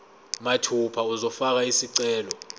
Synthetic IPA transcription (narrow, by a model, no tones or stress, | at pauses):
matʰupʰauzɔfak̬aisiǀɛːlɔ